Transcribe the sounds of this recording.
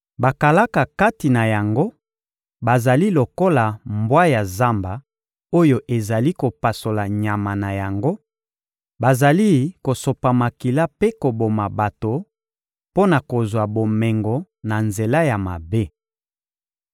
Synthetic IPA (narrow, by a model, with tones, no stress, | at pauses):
ba˨ka˨la˦ka˨ka˦ti˨na˨ja˨ŋɡo˦ | ba˨za˨li˦lo˨ko˦la˨mbwa˦ja˨za˦mba˨ | o˦jo˨ʔe˨za˨li˦ko˨pa˨so˨la˨ɲa˨ma˨na˨ja˨ŋɡo˦ | ba˨za˨li˦ko˨so˨pa˨ma˨ki˨la˦pe˦ko˨bo˨ma˨ba˨to˨ | po˦na˨ko˨zwa˨bo˨mɛ˨ŋɡɔ˨ | na˨nze˨la˦ja˨ma̰˨be˦